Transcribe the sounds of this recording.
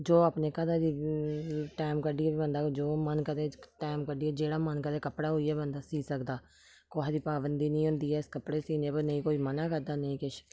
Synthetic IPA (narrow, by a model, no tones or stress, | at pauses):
d͡ʒoːapneːkəd̪aːd̪iː | ʈaːɪmkəɖiɛːibənd̪aːd͡ʒoːmənkəd̪eːʈaːɪmkəɖiːɛːd͡ʒeːɽaːmənkəd̪eːkəpɽaːɦoːiːɛːbənd̪aːsiːsəkd̪aː | koːɦd̪iːpaːbənd̪iːnĩːɦʊ̃nd̪iːɛːɪskəpɽeːsiːneːpəɾnəĩːkoːiːmənaːkəɾd̪aːnəĩːkɪʃ